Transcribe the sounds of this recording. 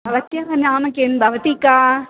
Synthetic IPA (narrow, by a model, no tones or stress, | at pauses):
bʱɐʋɐt̪jɐkɐnjaːmɐkenbʱɐʋɐt̪ika